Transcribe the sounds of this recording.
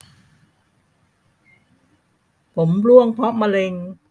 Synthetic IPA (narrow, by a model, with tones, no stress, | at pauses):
pʰo˩˦mlu˥˩əŋpʰɔ˦˥ʔma˧le˧ŋ